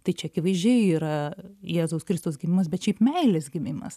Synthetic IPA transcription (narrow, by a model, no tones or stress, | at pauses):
t̪ɐɪt͡ʃʲɛɐkʲɪʋɐɪzʲd͡ʒʲɛɪiːɾɐjæːzoʊskɾʲɪst̪oːsɡʲɪmʲɪmɐs̬bʲɛt̪ʃʲɛɪpmʲɛɪlʲesɡʲɪmʲɪmɐ̰s